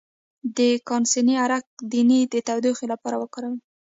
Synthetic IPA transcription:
d̪əkɑnsiniaɾak̚d̪inid̪ət̪awd̪uxelapɑɾawəkɑɾawi

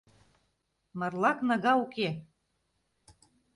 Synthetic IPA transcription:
mɤrlɑknɑɣɑuke

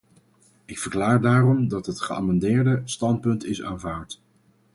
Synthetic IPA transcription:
ɪkfəɹklaːɹdaːrɔmdɑtɦətχəa̰ːmɑndɪːɹdəstɑnt̚pɵntɪsa̰ːnvaːɹt

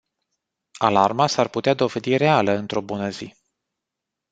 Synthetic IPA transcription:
alarmasarput̪ead̪o̞ved̪iɾe̞aləɨnt̪ɾo̞bunəzi

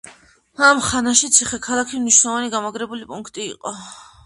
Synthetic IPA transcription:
amχanaʃit̪sʰiχɛkʰalˠakʰimniʃwnɛlˠɔvaniɡamaɡɾɛbulipʼuŋkʰt̪ʼḭːqʼɔ

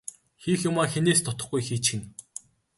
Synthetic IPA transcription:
xixjʊmaːxeneːst̪ʰɔt̪ɞ̆χɡujxiːt͡ɕxɘ̆n

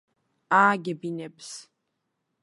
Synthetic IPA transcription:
aːɡʲɪbinepʰs

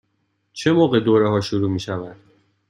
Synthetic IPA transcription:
t͡ʃʰe̞moːɣe̞d̪oːɾeɦɒːʃoɾuːmiːʃævæd̪̥

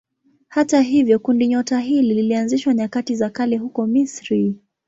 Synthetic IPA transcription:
hataɦivjɔkundiɲɔtaɦilililianziʃwaɲakatizakalɛhukɔmisɾi

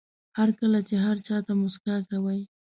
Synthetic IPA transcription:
haɾkəlat͡ʃeɦaɾt͡ʃɑt̪amʊskakawaj

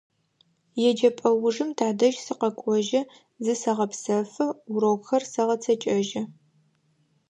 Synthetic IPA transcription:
jɛd͡ʒɐpʼɐwʊʐɨmtʰaːdɐʒsɨqɐkʷʼɔʒɐ | zɨsɐʁɐpsɐfɐʊɾɐwxɐrsɐʁɐt͡sʰɐt͡ʃʼɐʒɐ

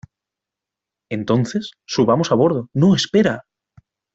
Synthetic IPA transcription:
e̞nt̪o̞nθe̞sːuβamo̞saβ̞o̞ɾð̞onoespe̞ɾa

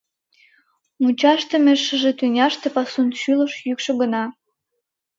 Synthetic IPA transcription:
mut͡ɕɑʃt̪ə̆meʃə̆ʒet̪ynʲɑʃt̪ĕpɑsunʃylə̆ʃjykʃŏɡə̆nɑ

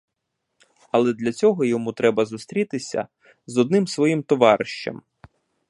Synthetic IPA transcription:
ɐlˠɛd̪lʲɐt͡sʲɔɦɔjɔmut̪ɾɛbɐzust̪ɾʲit̪ɪsʲɐ̰ | zɔd̪̚nɪmsʋɔjimt̪ɔʋɑɾɪʃt͡ʃɐ̰m

